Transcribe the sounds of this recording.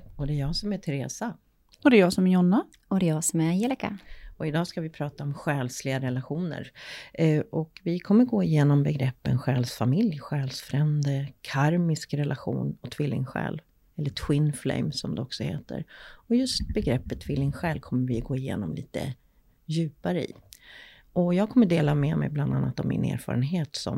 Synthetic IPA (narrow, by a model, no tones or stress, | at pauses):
ɔd̪ɛːjɑːsɔmæʈ̪ʰɛɾeːsa | ɔd̪ɛjɑːsɔmjɔnːa | ɔd̪ɛjɑːsɔmɛɾajɛlɪka̰ɔɪd̪ɑːskavɪpʰɾɑːt̪aɔmɧɛːlslɪɡaɾɛlaɧuːnə̰ɾ | ʔɔkvɪkʰɔmːəɾɡoːɪjeːnɔmbɛɡɾɛpːənɧɛːlsfamɪljɧɛːlsfɾɛmd̪əkʰaɾmɪskɾɛlʔaɧṵːnɔt̪ʰvɪlːɪ̰ŋɧɛ̰ːlv | ɛlːət̪ʰwɪnflɛ̰ɪmsɔmd̪ɛɔksɔhḛːt̪ə̰ɾɔjɵst̪̚bɛɡɾɛpːət̪ʰːvɪlːɪŋɧɛːlvkʰɔmːəɾvɪɡoːɪjḛːnɔmliːt̪ə̰ | jʉ̟ːpaɾəɪ̰ | ʔɔjɑːɡ̚kʰɔmːəɖeːlamɛmɛ̰jbland̪anːa̰t̪ɔmːɪ̰nḛːɾfɑ̰ːɾənɦeːt̪sɔ̰m